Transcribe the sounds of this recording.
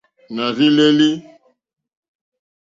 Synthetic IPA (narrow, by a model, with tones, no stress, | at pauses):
na˨vi˦le˦li˦